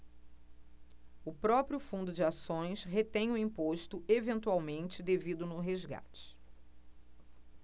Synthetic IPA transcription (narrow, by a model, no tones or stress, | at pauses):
ʊpɾɔpɾjʊfũnd̪ʊd͡ʒɪasõj̃sɦet̪ẽj̃ʊĩmpoʃt̪ʊevẽnt̪uawmẽnt͡ʃɪd̪evid̪ʊnʊɦezɡa̰t͡ʃɪ̥